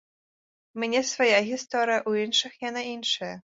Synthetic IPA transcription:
mʲnʲɛsvajaɣʲist̪ɔɾɨjɐʔuinʂɨxjanainʂɐjɐ

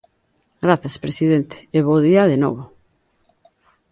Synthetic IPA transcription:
ɡɾaθjaspɾesiðent̪e̥ːβoðiaðeno̰β̞o

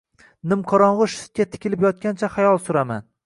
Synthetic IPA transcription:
nɪmqʰɒɾɒɴʁʊʃɪ̥t̪̚kʲat̪ʰɪ̥kʲɪlɪpjɒt̪̚kʲant͡ʃʰaχajɒlˠsʊɾama̰n

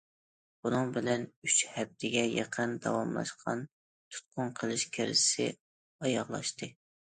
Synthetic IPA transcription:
b̥unɨŋbɪlɛnyt͡ʃhɛb̚d̪ɪɡʲɛjɛ̰qʰənd̪ɑ̰wɑmlˠɑ̰ʃqʰɑn | t̪ʰu̥t̪̚qʰʊnqʰəlˠɨʃkʲʰɪɾɪ̰sɪ̰ | ɑjɑʁlˠɑ̰ʃt̪ɨ

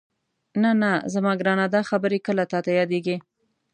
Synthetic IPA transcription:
nanazamɑɡɾɑnad̪ɑxabəɾekəlat̪ɑt̪ajɑd̪eɡi

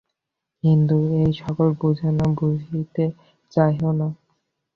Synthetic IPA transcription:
kint̪uejʃɔkolbud͡ʑʱanabud͡ʑʱit̪e | t͡ɕajɦona

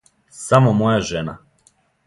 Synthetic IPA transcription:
samomojaʒena̰

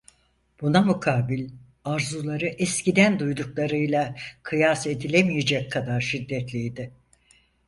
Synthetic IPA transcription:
b̥unamukʰaːbilʲ | aɾzulˠaɾɯʔɛscid̪ænd̪ujd̪uklˠaɾɯjlˠakʰɯjase̞d̪ilʲemijed͡ʒɛckʰːad̪aɾʃid̪ːɛt̪lʲijd̪ɪ

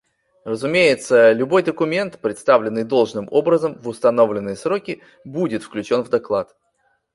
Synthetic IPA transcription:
rəzʊmʲejɪt̪səlʲʊbo̞jd̪əkʊmʲe̞nt̪pɾʲɪt̪st̪avlʲɪnːɨjd̪o̞lˠʐnɨmo̞bɾəzəmvʊst̪ɐno̞vlʲɪnːɨjəsɾo̞kʲɪ | budʲɪt̪fklʲʉt͡ɕo̞nvd̪ɐklˠat̪

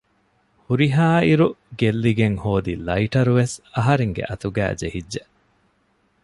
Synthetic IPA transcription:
huɾiɦaːiɾuɡelːiɡeŋhoːd̪ilɐiʈɐɾuʋesɐɦɐɾeŋɡḛʔɐt̪uɡæ̰ːd͡ʒehidːe

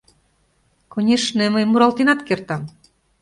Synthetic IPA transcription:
konʲeʃneməjmuɾɑlt̪enɑt̪kert̪ɑm

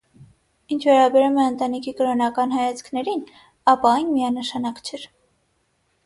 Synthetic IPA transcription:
int͡ʃʰvɛɾɑbɛɾumɛənt̪ɑnikʰikəɾɔnɑkɑnɦɑjɑt͡sʰkʰnɛɾin | ɑpɑɑjnmijɑnəʃɑnɑkt͡ʃʰɛɾ

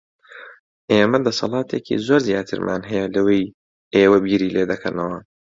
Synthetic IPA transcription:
ʔeːmɐd̪ɐsɑ̰lˠɑːt̪ʰeːkʰḭzoːɾzijaːt̪ʰɨ̰ɾmʔa̰ːnɦɛjɛlɐwej | ʔeːwɐbiːɾiːleːd̪ɐkʰɐɾnɐwɐ

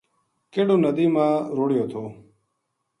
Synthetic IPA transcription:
keːɽoːnəd̪iːmãːɾoːɽɪjoːt̪ʰoː

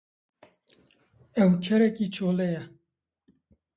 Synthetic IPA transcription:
ɛwkʰɛɾɛkiːt͡ʃʰoːlɛjɛ

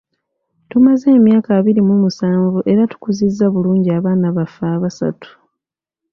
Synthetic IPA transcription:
tumaze̞ːmjaːkaβiɾimumusaːɱvuʔe̞ɾatu̥kuzizːaβuluːɲɟiaβaːnaβafaːβasa̰tu̥

